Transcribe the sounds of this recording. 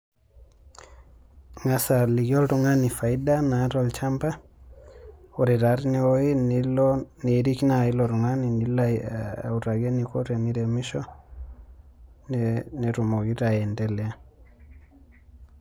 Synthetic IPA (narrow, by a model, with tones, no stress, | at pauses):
ŋa˨sa˨li˨ɡɔ˦lɾu˨ŋani˨fa˨i˦da˦na˨˦ɾɔlt͡ʃa˦mba˦ | o˨ɾɛ˨ɾa˨ɾni˦o˦i˦nlne˨ɾi˦knai˦lɔɾu˨ŋa˦ni˨nilau˨ɾa˨ɡe˦niko˦ɾe˨ni˦ɾe˨mi˦ʃɔ | nne˨ɾu˨mo˨ɡiɾa˨jɛ˨ndɛ˦lɛ˦a